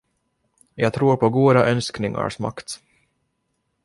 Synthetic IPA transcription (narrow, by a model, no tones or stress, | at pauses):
jɑːɡt̪ʰɾuːɾpʰɔɡuːd̪aʔœnsknɪŋa̰ɾʂma̰kt̪